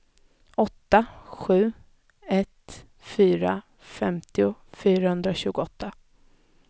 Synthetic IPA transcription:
ɔt̪ːaɧʉ̟ː | ɛt̪ | fyːɾa | fɛmt̪ɪʊfyːɾahɵnd̪ɾaɕʉ̟ːɡʊɔt̪ʰːa

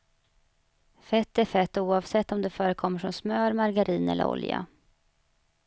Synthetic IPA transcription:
fɛt̪ːæɾfɛt̪ːuːɑvsɛt̪ːɔmd̪ɛfœːɾəkʰɔmːəʂɔmsmœːɾmaɾɡaɾiːnɛ̰lːə̰ɾɔ̰lja̰

